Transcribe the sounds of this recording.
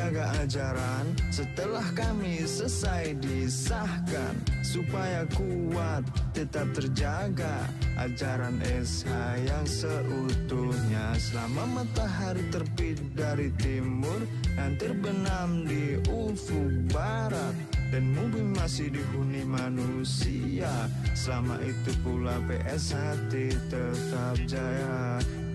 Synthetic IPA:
aɡaad͡ʒaɾansət̪əlahkami | səsajdisahka̰nsupajakuat̪ːət̪ap̚t̪ərd͡ʒa | ɡa | ʔa̰d͡ʒaɾanʔɛsajaŋsəʔut̪uhɲasəlamamat̪ahaɾit̪ərpit̪̚daɾit̪imʊr | naŋt̪ərbənamdiu | fuba | ɾat̪̚danmubɪmasɪhdiɦunimanu | si | a | səlama̰ʔit̪upulapḛʔɛshat̪et̪ə | t̪ap̚d͡ʒaja

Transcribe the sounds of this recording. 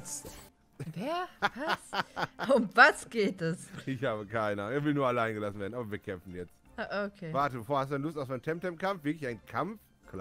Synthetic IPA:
t͡st | vɛːɐvasʊmvasɡ̥eːtɛsɪçhaːbəkʰaɪnəʔaːnʊŋʔɛːɐvɪlnuːɐalaɪnɡəlasn̩veːɐdn̩aːbɐviːɐkʰɛmfn̩jɛt͡st | aʔokʰeːvaɐtəbəfoːɐhastdudanəlʊstaʊsv̥aɪntʰɛmtʰɛmpkʰamfv̥ɪɐklɪçaɪkʰamf | kl

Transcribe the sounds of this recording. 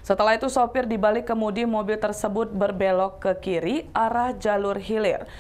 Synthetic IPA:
sət̪əlaɦit̪usopɪrdibalɪkːəmudimobɪlt̪ərsəbʊt̪̚bərbɛlɔkːəkiɾiʔaɾahd͡ʒalʊrɦilɪr

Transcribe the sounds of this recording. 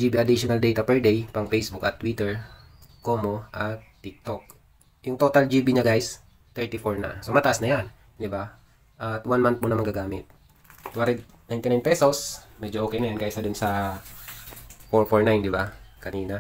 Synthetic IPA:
d͡ʒiːbiʔɐd̪iʃonɐld̪ɛjt̪ɐpɛɹd̪ɛjpɐŋfejsbʊkɐt̪ːwit̪ɛɹ | koːmo̞ʔɐt̪t̪ːɪk̚t̪ok̚ | jʊŋt̪ot̪ɐld͡ʒiːbiɲɐɡajs | t̪ɛɹt̪ifoɹnɐ̰somɐt̪ɐʔasnɐjan | d̪ɪba | ʔɐt̪wanmant̪̚mʊnɐmɐŋɡaɡaːmɪt̪̚ | t̪waɾɛd̪ | najnt̪ɪnajnpɛso̞smɛd͡ʒoʔoːkɛjnɐjanɡajsɐd̪ʊnsɐ | foɹfoɹnajnd̪ɪbakɐniːna

